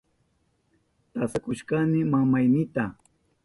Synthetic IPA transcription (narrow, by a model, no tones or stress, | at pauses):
t̪asakʊʃkanɪmamajnɪt̪a